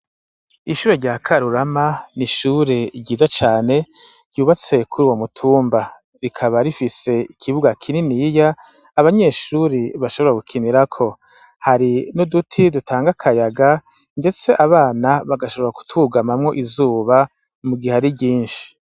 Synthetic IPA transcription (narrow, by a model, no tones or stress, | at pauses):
iʃuːɾeɾɟaːkʰaɾuɾamaniʃuːɾe̞ɟɟiːzat͡ʃaːne̞ɾɟuːβat͡se̞kʰuɾuːwomutʰuːmba | ɾikʰaβaɾifise̞ikʰiβuɡakʰininijaː | βaɲe̞ːʃuɾiβaʃo̞βoɾaɡukʰiniɾakʰo̞ | haɾinodutʰidutʰaːŋɡakʰajaɡa | nde̞t͡se̞ʔaβaːnaβaɡaʃo̞βo̞ɾaku̥tuɡamamŋo̞ʔizuːβa | muɡiaɾiɟiːnʃi̥